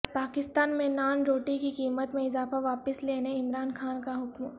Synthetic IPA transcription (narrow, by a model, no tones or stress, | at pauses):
paːkɪst̪aːnmẽnaːnɾoːʈikikiːmət̪mẽɪzaːfaʋaːpəsleːneɪmɾaːnxaːnkaɦʊkm